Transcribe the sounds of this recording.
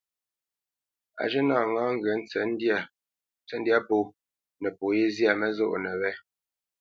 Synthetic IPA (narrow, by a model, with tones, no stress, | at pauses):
a̰˨ʒə˦naː˦˨ŋaː˦ŋ˦ɡɰɛ˨˦n˦ɛ˨˦nd | t͡sɛ˦n˦dja˦po˨˦˨ | nɛ˨po˨je˦zja˨mɛ˦zo̰˦ʔnɛ˨wɛ˦